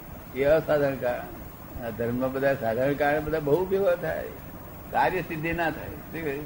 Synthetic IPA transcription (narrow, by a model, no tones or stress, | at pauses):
keəsaːd̪ʱəɳkaɾɳ | d̪ʱəɾməbəd̪ʱasaːd̪ʱəɳ̃kaɾəɳ̃bəd̪ʱabəɦuʋjəʋət̪ʰa̰ːḛ | kaːɾjəsid̪ʱːenat̪ʰa̰ːḛʈʰika